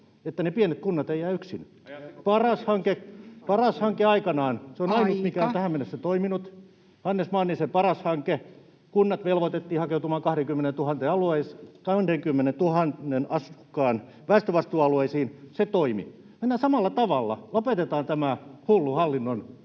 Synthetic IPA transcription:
et̪ːænepienet̪kunːɑt̪eijæːyksin | pɑrɑshɑŋkepɑrɑshɑŋkeɑikɑnɑːnseonɑinut̪mikæont̪æhæmenːesːæt̪oiminut̪ | hɑnːesmɑːnːisepɑrɑshɑŋke | kunːɑt̪ʋelʋot̪et̪ːiːhɑkeut̪umɑːŋkɑhɾeŋkymːenent̪uhɑnt̪eɑlueiskɑndeŋkymːenent̪uhɑnːenɑskːɑːn | ʋæist̪øʋɑst̪uːɑlueisiːnset̪oimḭ | menːæsɑmɑlːɑt̪ɑʋɑlːɑ̰lopet̪et̪ɑːnt̪æmæhulːuhɑlːinːon

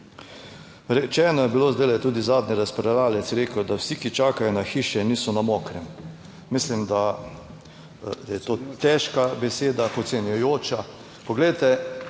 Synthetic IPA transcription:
ɾɛt͡ʃɛːnɔjɛbilozd̪elɛt̪uːd̪izaːd̪niɾaspɾɛlaːlɛt̪sɾeːkəd̪awsikit͡ʃaːkajɔnaxiːʃɛniːsɔnamoːkɾɛm | mislimd̪a | jɛt̪oːt̪ɛʃkabɛseːd̪apɔt̪sɛnjɔjoːt͡ʃa | pɔɡlɛjt̪ɛ

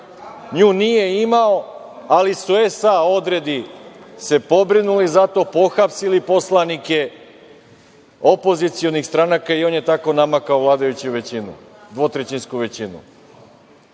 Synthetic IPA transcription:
ɲuːnije̞imao̞ | alisuesao̞d̪ɾe̞d̪ise̞po̞bɾinulizat̪o̞ːpo̞xapsilipo̞slˠanike̞ | o̞po̞zit̪sio̞nixst̪ɾanakaio̞ːnje̞t̪ako̞namakaoʋlˠaːd̪ajut͡ɕiuʋet͡ɕinṵ | d̪ʋo̞t̪ɾet͡ɕinskuʋe̞t͡ɕinṵ

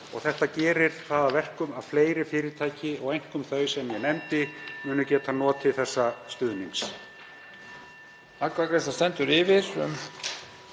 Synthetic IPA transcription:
ɔ̰ɣθɛht̪acɛːɾɪɾ̥θaðavɛr̥kʏmaðfleːjɾɪfɪːɾɪɾt̪ʰaːjcɪɔɣejŋ̥kʏmθœɥsɛmjɛnɛmt̪ɪmʏːnʏcɛːt̪anɔːt̪ʰːɪlθɛsːast̪ʏːðmiŋs | akvakɾɛst̪ast̪ɛnt̪ʏɾɪvɪɾ̥ʏ̰m

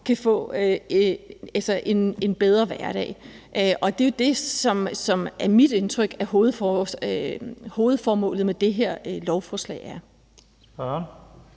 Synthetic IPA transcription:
kʰæfɔ̰̽ːø | ælsɐʔe̝ne̝nb̥eð̞ˠʁɐʋæɐɾ̥ɛ̰ɪ | ʔøʔɒ̽d̥e̝jod̥e̝sɒ̽msɒ̽mæɐmid̥e̝nt͡sʰʁœɡ̥æɐho̝ːð̩ˠfɒ | ho̝ːð̞̩ˠfɒːmɔ̰̽ːlð̩ˠmed̥e̝ɦe̝ɐ̰lɒʊfɒːslɛ̰ɪæɐ

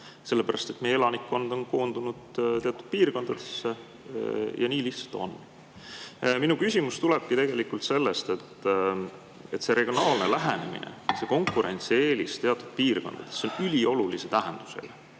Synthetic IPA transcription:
se̞lːe̞pæɾɑst̪e̞t̪mejelɑnikːo̞nd̪̥o̞nko̞ːnd̪unud̪̥t̪eɑt̪ːˑud̪̥̚piːrko̞nd̪ɑd̪̥e̞sːe | jɑniːliht̪sɑ̥lt̪ˑo̞̰n | minukysʲimust̪uleb̥̚kit̪e̞ɡ̥e̞likult̪se̞lːe̞st̪e̞t̪ː | e̞t̪se̞ɾeɡ̥io̞nɑːlnelæɦene̞mḭnḛse̞ko̞ŋkːuɾe̞nʲt̪sie̞ːlist̪e̞ɑt̪ːˑud̪̥̚piːrko̞nd̪̥ɑ̰d̪̥esːeonylʲio̞lulise̞t̪æɦend̪̥u̥se̞̰lɑ

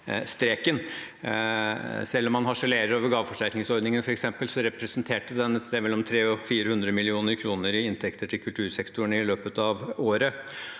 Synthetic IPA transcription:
st̪ɾeːkən | sɛlːɔmːɑnɦɑʂəleːɾəɾoːʋəɾɡɑːʋəfɔʂæɾknɪŋsɔɾd̪nɪŋənfɔɾɛksɛmpəlsɔɾɛpɾɛsənt̪ʰeːʈəd̪ɛnɛt̪st̪eːmɛlːɔmt̪ʰɾeːɔfiːɾəhʉnd̪ɾəmɪlɪuːnəɾkʰɾuːnəɾɪɪnt̪ʰɛkt̪əʈʰɪlkʰʉlt̪ʰʉːɾsɛkt̪ʊɳɪløːpət̪ɑʋoːɾə

